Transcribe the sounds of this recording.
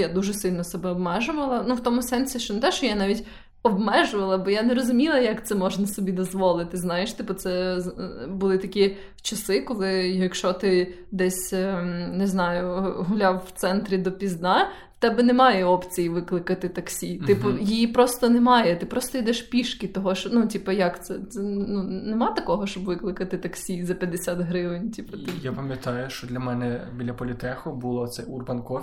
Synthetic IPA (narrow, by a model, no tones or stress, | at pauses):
jad̪uʒɛsɪlʲnɔsɛbɛɔbmɛʒʊʋɐlˠɐnuwt̪ɔmʊsɛnsʲiʃt͡ʃɔnɛt̪ɛʃt͡ʃɔjanɑʋʲitʲ | ɔbmɛʒʊʋɐlˠɐbɔjanɛɾɔzʊmʲilˠɐjɐkt̪sɛmɔʒnɐsɔbʲid̪ɔzʋɔlˠɪt̪ɪznɑjeʃt̪ɪpʊt̪sɛzbʊlˠɪt̪ɐkʲi | t͡ʃɐsɪkɔlˠɪjɐkʃɔt̪ɪ | d̪ɛsʲnɪznɑjʊɦʊlʲawːt̪sɛnt̪ɾʲid̪ɔpʲizd̪nɑ | t̪ɛbɛnɛmɑjɛɔpt͡sʲijiʋɪklˠɪkɐt̪ɪt̪ɐksʲiɪpɔjijipɾɔst̪ɔnemɑjɛt̪ɪpɾɔst̪ɔid̪ɛʃpʲiʃkʲɪt̪ɔɦɔʃnutʲipɐjɐkt̪sɛɛnunemɑt̪ɐkɔɦɔʃt͡ʃɔbʋɪklˠɪkɐt̪ɪt̪ɐksʲizɐpʲjɐd̪esʲat̪ɦɾɪʋɪnʲtʲipɐt̪ɪjapɐmʲjɐt̪ɑjʊʃt͡ʃɔd̪lʲɐmɛnɛbʲilʲɐpɔlʲɪt̪ɛxʊbʊlˠɔt̪sɛjurbɐnkɔ